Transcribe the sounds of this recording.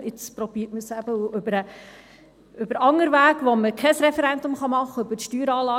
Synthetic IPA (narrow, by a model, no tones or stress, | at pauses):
ɪt͡spɾɔb̥iːtməsæbəuʏbəɾə | ʏbəɾɑŋəɾʋæːɡʋoməkʰɛsɾɛfɛɾɛndʊmχɑmɑχːəʏbəʃtyːɾɑːlɑː